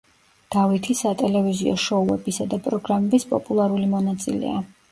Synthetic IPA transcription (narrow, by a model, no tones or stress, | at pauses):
d̪̥avit̪ʰisat̪ʼɛlɛviziɔ̰ʃɔuɛbisad̪apʼɾɔɡɾamɛbispʼɔpʼulˠaɾulimɔnat̪sʼḭlɛ̰a